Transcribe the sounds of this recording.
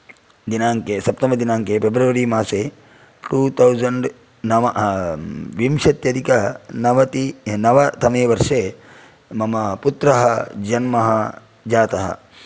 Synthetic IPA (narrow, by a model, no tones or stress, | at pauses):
d̪inaːŋkesɐpt̪ɐmbɐd̪inaːŋkepʰebɾɐʋɐɾimaːseː | ʈuːt̪ʰɐwzɐɳɖ | nɐʋɐ | ʋimʃɐt̪jɐd̪ʱikɐɐnɐʋɐt̪inɐʋɐt̪ʰɐmeːʋɐɾʂeː | mɐmɐput̪ɾɐɦɐd͡ʒɐnmɐɦɐ | d͡ʒaːt̪ɐɦɐ̰